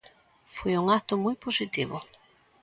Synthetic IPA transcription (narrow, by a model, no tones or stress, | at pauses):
fojuŋat̪ʊmujposit̪iβʊ